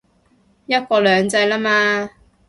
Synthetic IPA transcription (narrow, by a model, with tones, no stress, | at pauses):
jɐ˥t̚kɔː˧lœː˨˧ŋt͡sɐ˧jlaː˥maː˧